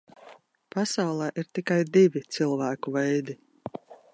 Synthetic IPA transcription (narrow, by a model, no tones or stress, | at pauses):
pasawlˠɛːʔiɾt̪ikajd̪ivʲit̪silˠvæːkuvɛjd̪i